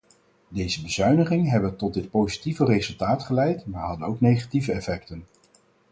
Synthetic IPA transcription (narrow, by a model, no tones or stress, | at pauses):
dejzəbəzœɥnəχɪŋəɦɛbəntɔt̚dɪt̚powzitivərezɵlˠtaːtχəlɛjtmaːɹɦɑdənowknejχativəɛfɛktən